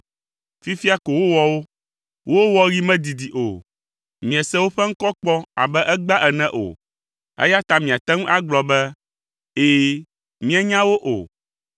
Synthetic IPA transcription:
fi˦fi˦a˦ko˨wo˦wɔ˦wo˦ | wo˦wɔ˦ɾi˦mɛ̃˦d̪i˨d̪i˨ʔo˨ | mĩ˨ɛ˨sɛ˦wo˦ɸɛ˦ŋ̩˦kɔ˦k͡pɔ˦a̰˨bɛ˦ʔɛ˦ɡ͡ba˦ʔɛ˨nɛ̃˦ʔo̰˨ | ɛ̰˦ja˦t̪a˦mĩ˨a˨t̪ɛ˦ŋũ˦ʔa˦ɡ͡blɔ˨bɛ˦ | eː˨ | mĩ˦ɛ˦ɲã˦wo˦ʔo̰˨

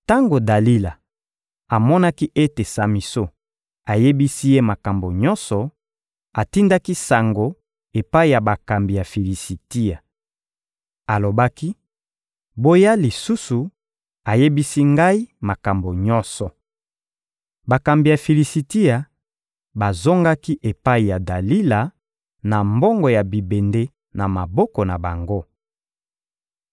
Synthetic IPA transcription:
ta˦ŋɡo˨da˨li˦la˨ | a˨mɔ˦na˦ki˦ʔe˦te˨sa˨mi˨so˦ | a˨je˦bi˦si˦je˦ma˨ka˨mbo˨ɲɔ̃˦nsɔ˨ | a˨ti˦nda˦ki˦sa˨ŋɡo˨ | e˨pa˦i˦˨ja˨ba˨ka˨mbi˨ja˨fi˨li˨si˨ti˦a˨ | a˨lo˨ba˦ki˦ | bo˦ja˦li˨su˦su˨ | a˨je˦bi˦si˦ŋɡa˦i˦ma˨ka˨mbo˨ɲɔ˦sɔ˨ | ba˨ka˨mbi˨ja˨fi˨li˨si˨ti˦a˨ | ba˨zo˦ŋɡa˦ki˦ʔe˨pa˦i˨ja˨da˨li˦la˨ | na˨mbɔ˦ŋɡɔ˨ja˨bi˨be˨nde˦ | na˨ma˨bɔ˦kɔ˨na˨ba˨ŋɡo˦

